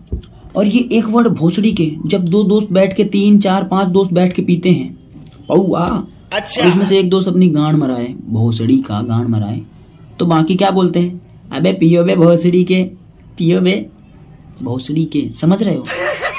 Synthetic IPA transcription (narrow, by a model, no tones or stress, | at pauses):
ɔːɾjeʔeːkʋəɽbʱoːsɽiked͡ʒɐb̚d̪oːd̪oːst̪̚bɛːʈʰket̪iːnt͡ʃaːɾpãːt͡ʃd̪oːst̪̚bɛːʈʰkepiːt̪eɦɛ̃ː | pɐuaː | ɾɪsmẽseːk̚d̪oːst̪ɐpniɡãːɽ̃mɐɾaːebʱoːsɽika̰ɡãːɽ̃mɐɾa̰ːḛ | t̪obaːkikjaːboːlt̪eɦɛ̃ː | ɐ̰bepiːobebʱoːsɽike | piːobe | bʱoːsɽikesɐməd͡ʒʱɾɐɦeoː